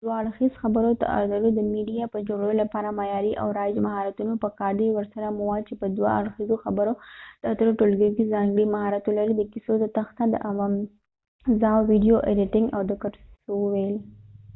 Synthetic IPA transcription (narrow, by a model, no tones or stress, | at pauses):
d̪waaɽxizxabəɾot̪a̰ʔa̰ɾd̪aɾod̪əmiɖijapəd͡ʒoɡɽajolapɑɾamajɑɾiʔa̰wɾɑd͡ʒmaɦɑɾat̪unopəkɑɖ̪ewəɾsaɾamʊwɑd̪̚t͡ʃepəd̪wa̰a̰ɽxizoxabəɾod̪̥ət̪ɾoʈolɡejkizɑŋɡɽimaɦɑɾat̪olaɾid̪əkisod̪ət̪axt̪ad̪ə̰ʔawam | zɑwwiɖijoʔeɖɪʈɪŋɡawd̪əkəɾssowəwejl